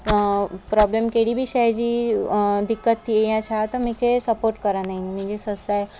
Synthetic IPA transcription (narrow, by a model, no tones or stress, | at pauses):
pɾɔblemkeɽibʱiːɕajd͡ʑiːd̪ikːət̪ːiejãt͡ɕʰat̪əmikʰesəpoɾʈ̚kəɾanaɦinmĩd͡ʑesəsaj